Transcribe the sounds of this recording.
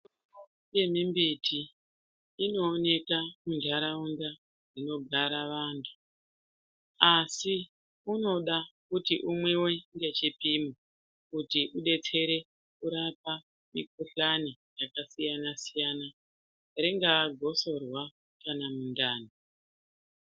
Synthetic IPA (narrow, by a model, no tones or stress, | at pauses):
u | o | je̞mimbitʰiː | no̞ːne̞kamundʱaɾaunda | rino̞ɡʱaɾaʋaːntʰu̥ | asi | uno̞ɗakutiʔumwe̞weŋɡe̞t͡ʃipimo | kutiʔuɗe̞t͡se̞ɾe̞ | kuɾapa | mḭk̚uɬanijakasijanasijana | reŋɡaːɡʱo̞so̞rwa | kanamundaːni